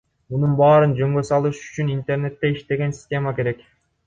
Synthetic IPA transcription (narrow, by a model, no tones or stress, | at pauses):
mununbɑːɾɯnd͡ʒø̞ŋɡø̞sɑlˠɯʃy̥t͡ʃynint̪e̞rne̞t̪ːeiʃt̪e̞ɡe̞nsʲi̥sʲtʲe̞make̞ɾe̞k